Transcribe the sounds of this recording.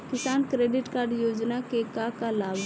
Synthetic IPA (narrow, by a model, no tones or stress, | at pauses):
kɪsaːnkɾeːɖɪʈkaːɾɖjoːd͡ʒnakekakalaːb